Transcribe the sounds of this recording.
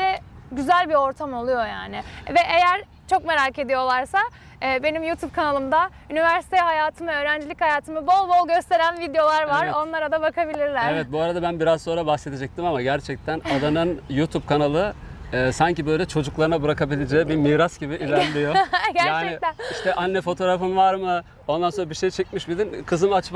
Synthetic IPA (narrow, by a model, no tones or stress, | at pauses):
d̪ɛɟyzælʲbio̞ɾt̪ʰamo̞lˠujo̞ja̰ːnɪvɛʔejæɾ | t͡ʃʰokme̞ɾaːce̞d̪ijo̞lˠaɾsaː | be̞nimjut̪ʰub̚kʰanalˠɯmd̪aynivæɾsi̥t̪ʰɛhajaːt̪ʰɯmɯø̞ːɾænd͡ʒilʲichajaːt̪ʰɯmɯbo̞lˠbolˠɟø̞st̪ʰe̞ɾænvid̪ejo̞lˠaɾvaɾo̞nlˠaɾad̪abakʰabilʲiɾlʲæɾevɛt̪̚buaɾad̪abænbiɾazso̞nɾabaxse̞d̪ed͡ʒɛc̚t̪ʰimamaɟæɾt͡ʃʰɛc̚t̪ʰænad̪anɯnjut̪ʰub̚kʰanalˠɯɛːsaɲcibø̞jlʲɛt͡ʃʰo̞d͡ʒuklˠaɾɯnabɯɾakʰabilʲed͡ʒɛɛbimiːɾasɟ̥ibiʔilʲæɾd̪ʲijoɟæɾjaːt͡ʃːnɛɪt̪æniʃt̪ʰɛʔanːɛfo̞t̪ʰo̞ɾafɯnvaɾmɯ | o̞nd̪ansoɾabiʃejt͡ʃʰɛc̚miʃbilʲinkʰɯzɯmat͡ʃm